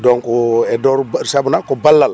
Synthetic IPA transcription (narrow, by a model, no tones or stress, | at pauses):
dɔŋkɔɛdɔɾuɾisabunakɔbalːal